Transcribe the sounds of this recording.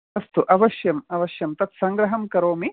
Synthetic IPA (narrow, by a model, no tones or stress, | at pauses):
ɐst̪uʔɐʋɐʃjɐmɐʋɐʃjɐmt̪ɐt̪sɐŋɡɾɐɦɐmkɐɾoːmi